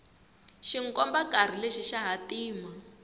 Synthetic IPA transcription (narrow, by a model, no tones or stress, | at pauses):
ʃiŋ̩kɔmbakar̤ileʃiʃaɦatiːma